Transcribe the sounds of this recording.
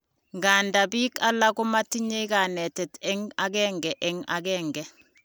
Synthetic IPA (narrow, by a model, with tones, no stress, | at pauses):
ŋɡanda˨biː˦ka˦la˦ku˦ma˦ti˦ɲe˦iɡa˨nɛ˨tɛ˨tɛ˦ŋa˦ɡɛŋɡɛʔɛ˦ŋa̰ɡɛːŋɡɛ